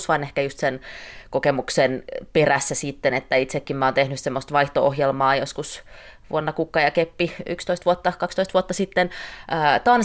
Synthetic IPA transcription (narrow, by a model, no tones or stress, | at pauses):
sʋɑinehkæjust̪senkokemuksenperæsːæsit̪ːenet̪ːæit̪sekːimmæoːnt̪ehnyssemːost̪ʋɑiht̪oo̰hjelmɑːjoskus | ʋṵonːɑkukːɑjɑkepːiy̰kst̪oist̪ʋuot̪ːɑkɑkst̪oist̪ʋuot̪ːɑsit̪ːenʔəːt̪ɑn